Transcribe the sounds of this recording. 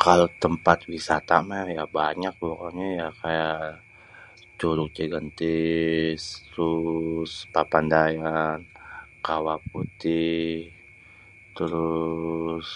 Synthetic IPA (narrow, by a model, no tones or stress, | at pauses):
kalot̪əmpat̪̚wisat̪amajabaɲak̚bokaɲajakajaʔ | t͡ʃuɾʊk̚d͡ʒiɡənt̪ɪst̪ɾuspapandajankawap̚ut̪ɪh | t̪əɾʊ | s